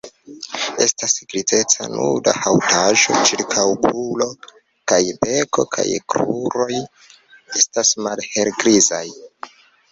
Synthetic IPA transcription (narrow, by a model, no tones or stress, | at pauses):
e̞stasɡɾize̞t͡sa̰nuɾda̰hawtʰaʒo̞̰t͡ʃiɾkʰawpulo̞ | kajbeko̞̰kʰa̰jkɾuɾo̞j | e̞stasmalhe̞lɡɾizaj